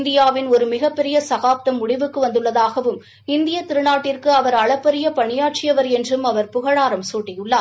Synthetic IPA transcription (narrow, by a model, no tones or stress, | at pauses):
nd̪ɪjaːʋɪnɔɾɯmɪɣɐpːɛɾɪjɐsɐɣaːp̚t̪ɐmːʊɽɪʋɯkːɯʋɐnd̪ɯɭːɐðaːɣɐʋɯm | ɪnd̪ɪjɐt̪ːɪɾɯnaːʈːɪrkɯɐʋɐɾɐɭɐpːɛɾɪjɐpɐɳɪjaːʈ̚t͡ʃɪjɐʋɐɾɛndrɯmɐʋɐɾpʊɣɐɻaːɾɐmsuːʈːɪjɯɭːaː